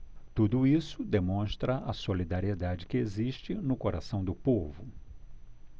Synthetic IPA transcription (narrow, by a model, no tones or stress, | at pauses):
t̪ud̪ʊisʊd̪emõst̪ɾɐʔɐsolid̪aɾied̪ad͡ʒɪkɪeziʃt͡ʃɪnʊkoɾasɐ̃w̃d̪ʊpovʊ